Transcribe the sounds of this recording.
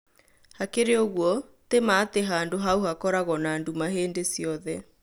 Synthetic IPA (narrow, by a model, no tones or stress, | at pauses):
hakeɾeoɣwɔtemaːteɦaːndoɦauhakɔɾaɣɔnaːndumaɦeːndesiɔðɛ